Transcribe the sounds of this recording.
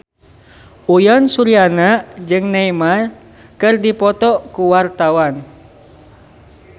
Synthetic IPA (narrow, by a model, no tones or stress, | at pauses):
ujɔnsuɾianaʔd͡ʒɨŋnaimar | kɨrdipɔt̪ɔkuwart̪awan